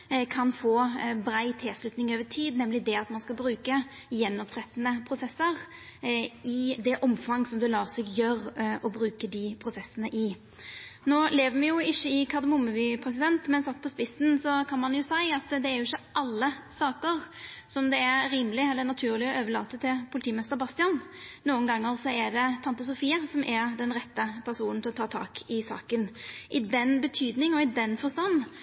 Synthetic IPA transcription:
kʰɑnfoːbɾæɪt̪ʰeːslʉt̪nɪŋøːʋət̪ʰiːd̪nɛmlɪd̪ɛɑt̪mɑnskɑbɾʉːkə | jɛnːɔpt̪ʰɾɛt̪ːənəpʰɾʊsɛsəʁ | ɪd̪ɛʔɔmfɑŋːsɔmd̪ʉlɑːɾsɛɡjøːɾɔbɾʉːkəd̪ɪpʰɾʊsɛsənəʔɪ | noːleːʋəmɪjʊɪçːəɪkʰɑd̪əmʊmːəʋɪpʰɾɛs̬ɪd̪ɛnt̪mɛnsɑt̪ːpʰɔspɪsn̩sɔkʰɑnmɑnjʊsæɪɑt̪d̪ɛæɾjʊɪçːəʔɑlːəsɑːkəʁsɔmd̪ɛæɾɾiːmlɪɛlːənɑt̪ʰʉːʁlɪɔøːʋəɭɑ̰ːt̪ət̪ʰːɪlpʰʊlɪt̪iːmɛst̪əɾbɑst̪ɪɑnnuːənɡɑŋːəɾsɔɛɖɛt̪ʰɑnt̪əs̬ʊfiːɑsɔmʔæɾd̪ɛnʁɛt̪ːəpʰæɾsuːnn̩ʰɪlɔt̪ʰɑːt̪ʰɑ̰ːkʰɪsɑ̰ːkənʔɪd̪ɛnbət̪ʰyːd̪nɪŋɔɪd̪ɛnfɔst̪ɑnː

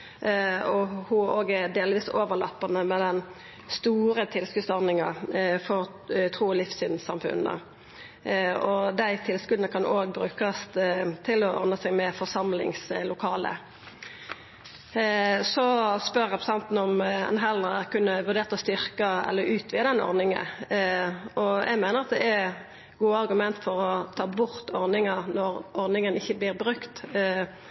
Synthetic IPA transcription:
ɔhʊoːɡɛd̪eːlʋiːsoːʋəʁlɑ̰pːɑnəmɛd̪ɛn | st̪uːɾət̪ʰɪlskʉsɔʁnɪŋɑfɔʁ | t̪ʰʁuːɔlɪfsyːnsɑmfʉ̰nə̰ | ɔd̪æɪt̪ʰɪlskʉd̪nəkʰɑnʔoːɡbɾʉːkəst̪t̪ʰɪlɔʔɔ̰ʁnəsæɪɡmɛfɔsɑmlɪ̰ŋslʊkʰɑːlə̰ | sɔspœʁɑpɾʊsɑnt̪n̩ɔmɛ̰nɦɛləʁkʉnːəʋʉʁd̪eːʁt̪ɔst̪ʏʁkɑɛ̰lːəɾʉːt̪ʰʋiːɑd̪ɛnɔ̰ʁnɪŋə̰n | ʔɔjæ̰ɪɡmæɪnəʁɑt̪d̪ɛɛɾ | ɡuːəɑʁɡʉmɛnt̪fɔʁɔt̪ʰɑːbʊʁt̪ɔʁnɪŋɑʁnɔʁʔɔʁnɪŋənɪçːəblɪːʁbʁʉkt̪

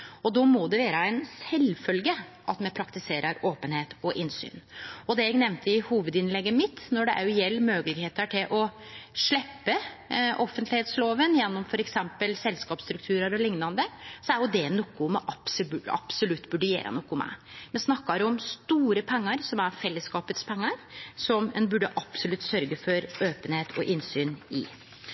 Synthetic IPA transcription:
ɔd̪ɔmɔd̪ɛʋeːɾəɛɪnsɛlfœlɡəʔɑt̪mɛpʰɾɑkt̪ɪseːɾʔəɾoːpənheːt̪ɔʔɪnsy̰ːnɔd̪ɛɛɡnɛʋnt̪əɪhuːʋəd̪ɪnlɛɡːəmɪt̪nɔɖɛʔæ̰ɾjʊjɛlːmøːɡəlɪɡheːt̪əʈʰɪlʔɔʂɭɛpːə | ʔɔfːənt̪lɪheːt̪sloːʋənjɛnːɔmfɔɾɛksɛmpəlsɛlskɑːpst̪ɾʉk̚t̪ʰʉːɾəɾɔlɪŋnɑnd̪əsɔæɾjʊd̪ɛnɔkːʊmɛʔɑb̥sbɑ̰psʊlʉt̪ːbʉɖəjḛːɾʔə̰nɔkːʊmæ̰ɪmɛnsnɑkːɑɾɔmst̪uːɾəpʰɛŋːɑɾsɔmæɾfɛlːəskɑːpət̪spʰɛŋːɑɾsɔmɛnbʉɖːəʔɑpsʊlʉt̪ːsœɾɡəfɔɾøːpənheːt̪ʰɔ̰ʔɪnsyːnɪ̰

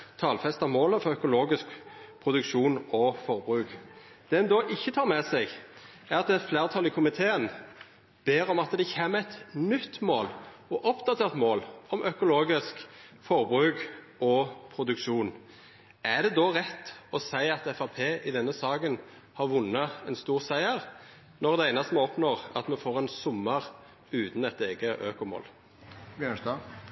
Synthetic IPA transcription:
t̪ʰɑːlfɛst̪ɑmoːləfɔʁœkʊloːɡɪskpʰʁʊd̪ʉkʃuːnɔfɔʁbʁʉːk | d̪̥ɛd̪ɛnd̪ɔːʔɪçːət̪ʰɑːɾmɛsɛɡ | æʁɑt̪d̪ɛt̪flæːʁt̪ʰɑlɪkʰʊmɪt̪ʰeːən | b̥eːɾɔmɑt̪d̪ɛçeːmæt̪nʏt̪ːmoːlɔʔɔpd̪ɑt̪ʰeːʁt̪moːlɔmʔœkʊloːɡɪskfɔʁbʁʉːk | ɔpʰɾʊd̪ʉkʃuːn | æd̪ɛd̪ɔʁɛt̪ːɔsæɪɑt̪ɛfɑpʰeːʔɪd̪ɛnːəsɑːkən | hɑɾʋʊnːəɛnst̪uːʁsæɪəɾ | nɔʁd̪ɛæɪnɑst̪mɛɔpnoːʁɑ̰t̪mɛfoːʁɛnsʊmːəʁ | ʉːt̪n̩ɛt̪eːɡəʔøːkʊmo̰ːl

